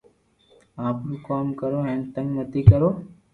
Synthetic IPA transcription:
aːpnũːkoːmkəɾoːɦɛ̃ːnt̪ə̃ŋɡnət̪ʰiːkəɾoː

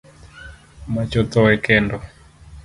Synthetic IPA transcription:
mat͡ʃɔt̪ɔwɛkɛndɔ

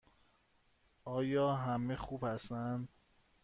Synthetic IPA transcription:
ɒːjɒːɦæmexuːbhæst̪ænd̪

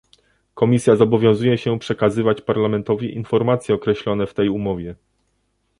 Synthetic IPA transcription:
kɔmʲisʲjazɔbɔvʲjɔ̃w̃zujɛɕɛpʂɛkazɘvat͡ɕpaɾlamɛnt̪ɔvʲiʔinfɔɾmat̪sʲjɛɔkɾɛɕlɔnɛft̪ɛjumɔvʲjɛ

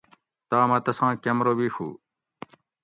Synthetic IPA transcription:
t̪aːmɐt̪ɐsãːkɐmɾoːbiːxʰṵː

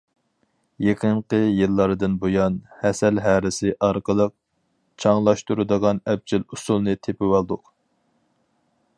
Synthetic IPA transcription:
jeqʰəɴqəjɨlˠːɑɾɨd̪ɨnbojɑnhɛsɛlɦæːɾɪsɪʔɑɾqəlˠəq̚ | t͡ʃʰɑŋlˠɑʃt̪uɾɨd̪əʁɑnɛp̚t͡ʃʰilusulˠnɨt̪ʰepɪwɑlˠd̪ʊq

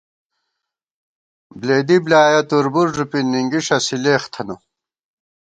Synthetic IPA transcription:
bleːd̪iblaːjɐt̪uɾbuɾʐupinːiŋɡiʂɐsileːxt̪ʰɐnu

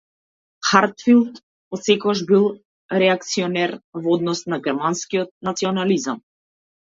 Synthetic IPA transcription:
xaɾt̪filˠt̪ | ɔt̪sɛkɔaʒbilˠ | ɾɛak̚t̪siɔnɛɾvɔd̪nɔsnaɡɛɾmanskiɔt̪̚nat̪siɔnalizam

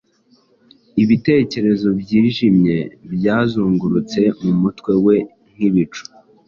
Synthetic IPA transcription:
iβite̞ːce̞ɾe̞zo̞bɟiːʒimɲe̞bjaːzuːŋɡuɾut͡se̞mumutwe̞we̞ | ŋ̥iβit͡ʃu̥

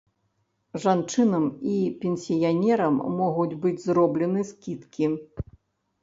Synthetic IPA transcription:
ʐant͡ʂɨnɐmipʲɛnʲsʲijanʲɛɾɐmːɔɣud͡zʲbɨd͡zʲzɾɔblʲɛnɨskʲit̪kʲi

